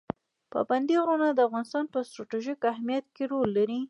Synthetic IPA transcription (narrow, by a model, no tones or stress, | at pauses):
pə̰band̪iɣɾonad̪əafɣɑnɪst̪ɑnpəst̪ɾɑʈiʒikahmijat̪̚keɾolːaɾi